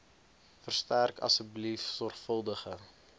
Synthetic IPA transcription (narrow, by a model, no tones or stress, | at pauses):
fərstærkɐ̰səblifsɔrχfəlˠdəχə